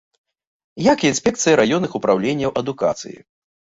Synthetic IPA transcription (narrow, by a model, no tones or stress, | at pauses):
jakiinsʲpʲɛk̚t̪sɨjɐɾajɔnːɨxupɾawlʲenʲːɐwʔɐd̪uka̰t̪sɨ̰jḭ